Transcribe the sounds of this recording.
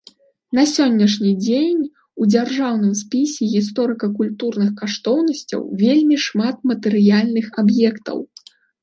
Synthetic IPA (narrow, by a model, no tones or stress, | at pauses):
n̪ɐsʲɔnʲːɐʂnʲid͡zʲenʲ | ud͡zʲarʐawnɨmspʲisʲɛɣʲis̬t̪ɔɾɨkɐkulʲt̪urnɨxkaʂt̪ɔwnɐsʲt͡sʲɐ̰wvʲelʲmʲiʂmat̪̚mɐt̪ɨɾɨjalʲnɨxabjɛkt̪ɐ̰w